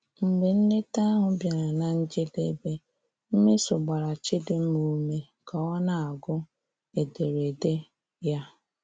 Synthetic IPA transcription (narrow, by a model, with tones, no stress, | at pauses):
m̩˨ɡ͡be˨n̩˦ne˦ta˦a˦ɦʊ˨bja˨ɾa˨na˨n̩˦d͡ʒɪ˦de˦be˦ | m̩˦me˦sʊ˨ɡ͡ba˨ɾa˨t͡ʃɪ˦dɪ˦m̩˦mu˨˦me˦ | kɔ˨ɔ˦na˨a˨ɡʊ˦ | e˨de˨ɾe˨de˦ | ja˦